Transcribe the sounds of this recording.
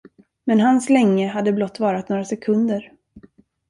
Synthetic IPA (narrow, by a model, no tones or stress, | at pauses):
mɛnɦanslɛŋːəɦad̪ːəblɔt̪ːvɑːɾat̪noːɾasɛkʰɵnd̪əɾ